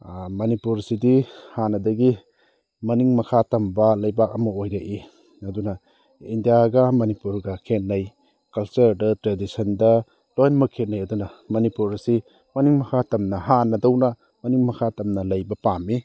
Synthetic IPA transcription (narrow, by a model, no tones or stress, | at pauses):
mɐnipuɾsidihanɐdɐɡi | mɐniŋmɐkʰatɐmbɐlɐjbak̚ɐmɐojɾɐʔi | ɐdunɐ | indijaɡɐmɐnipuɾɡɐkʰet̚nɐj | kɐlsɐɾdɐtɾedisɐndɐ | tojnmɐkʰet̚nɐjɐdunɐmɐnipuɾɐsi | mɐniŋmɐkʰatɐmnɐɦanɐdɐwnɐ | mɐniŋmɐkʰatɐmnɐlɐjbɐpamːi